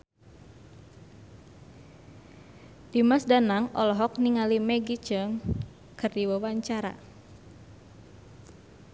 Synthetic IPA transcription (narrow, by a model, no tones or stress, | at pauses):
d̥imasdanaŋɔlɔɦɔk̚niŋalimɛɡit͡ʃəŋ | kɨrdiwawaɲt͡ʃaɾa̰